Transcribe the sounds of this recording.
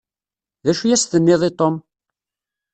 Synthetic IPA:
ðæʃujæsθənːɪðˤet̪ˤom

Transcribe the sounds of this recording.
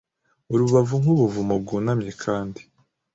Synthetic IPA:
uɾuβavuŋ̥uβuvumab̚ɡuːnamɲekʰaːndi

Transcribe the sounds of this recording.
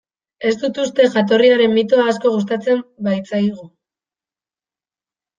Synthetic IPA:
e̞sd̪ut̪ust̪e̞ʝat̪̬o̞riaɾe̞mːit̪oaːs̬ko̞ɣus̬t̪at͡se̞mbajt͡sajɣ̞u

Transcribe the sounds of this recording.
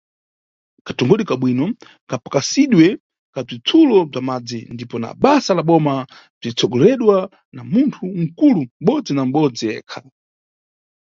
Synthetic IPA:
kʰatɔŋɡɔɗikaɓwinɔ | kʰapḁkasiɗwɛ | kab͡ʐit͡sʰulɔb͡ʐamad͡zindipɔna̰ɓasalaɓɔma | b͡ʐit͡sʰɔɡɔlɛɗwa | namuntʰuŋ̩kulum̩ɓɔd͡zinam̩ɓɔd͡zijɛ̰ːkʰa

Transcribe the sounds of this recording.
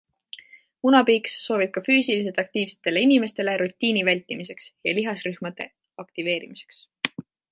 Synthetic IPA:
unɑbiːksːo̞ːvib̥̚kɑfyːsilis̬elt̪ɑk̚t̪iːvse̞̥t̪ːe̞le̞inime̞st̪e̞le̞ɾut̪ʲːiːnivælʲt̪ːˑimise̞ksjɑliɦɑsryhmɑd̪̥e̞̰ | ɑkt̪ive̞ːɾḭmise̞̥ks

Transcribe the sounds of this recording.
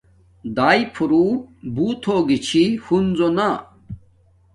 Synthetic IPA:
d̪aːjpʰuɾuːbuːt̪ʰoːɡit͡ɕʰihunzona

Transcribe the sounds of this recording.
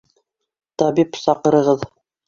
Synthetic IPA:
t̪ɑbipsɑqɤ̆ɾɤ̆ʁɤð

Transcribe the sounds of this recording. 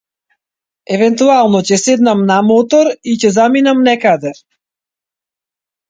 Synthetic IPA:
ɛvɛnt̪ualˠnɔcɛsɛd̪namnamɔt̪ɔɾicɛzaminamnɛkad̪ɛ

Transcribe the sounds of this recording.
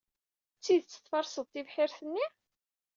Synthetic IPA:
t͡sːiðt͡sːə̥t̪ːfɑɾˤsəðˤt̪ivħiɾθənːi

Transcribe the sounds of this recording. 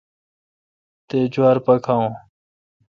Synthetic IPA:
t̪ed͡ʑwaːɾpɐkʰãːõː

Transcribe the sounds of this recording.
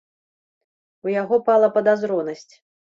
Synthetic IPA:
ujaɣɔpalˠɐpɐd̪azɾɔnɐsʲt͡sʲ

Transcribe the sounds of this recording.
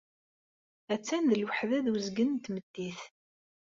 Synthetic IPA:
æt͡sːænðəlwəħðæðwəzɡənt̪məd̪ːiθ

